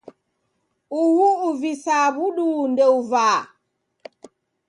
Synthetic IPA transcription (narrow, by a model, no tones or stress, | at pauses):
ʔuwuːvisaːbuɗundɛwvaː